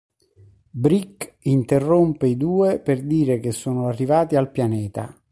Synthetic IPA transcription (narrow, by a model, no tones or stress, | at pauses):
bɾikint̪erːompeid̪uːeperd̪iːɾek̟esːoːnoarːivaːt̪ialpjanɛːt̪a̰